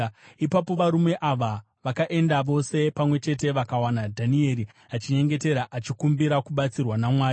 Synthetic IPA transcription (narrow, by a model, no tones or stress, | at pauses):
ipapo̞ʋaɾume̞ʔaʋa | ʋakaʔe̞ndaʋo̞se̞pamwe̞t͡ʃe̞te̞ʋakawanadʱanie̞ɾi | at͡ʃiɲe̞ŋɡe̞te̞ɾaʔat͡ʃikumbiɾakuɓat͡sirwanamwaː